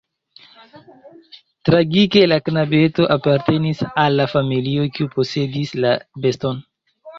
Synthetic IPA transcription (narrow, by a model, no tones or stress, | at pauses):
tɾaɡike̞laknabe̞to̞ʔapaɾte̞nisalːafamilio̞kiupo̞se̞dislabe̞sto̞n